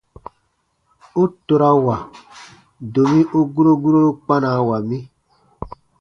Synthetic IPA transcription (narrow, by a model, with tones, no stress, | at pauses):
u˦to˨ɾa˦wa˨ | do˨mĩ˦ʔu˦ɡu˦ɾo˦ɡu˦ɾo˦lo˦k͡pa˦naː˨˦wa˨mĩ˦